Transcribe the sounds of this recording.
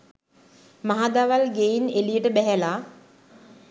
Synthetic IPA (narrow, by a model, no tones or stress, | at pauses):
maɦad̪aʋalɡeinelijəʈəbɛɦɛlaː